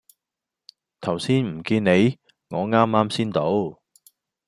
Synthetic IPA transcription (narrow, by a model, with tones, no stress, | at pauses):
t̪ʰɐ˨˩wsiː˥nm̩˨˩kiː˧nne˨˧j | ŋɔː˨˧ŋaː˥mːaː˥msiː˥nt̪o˨˥w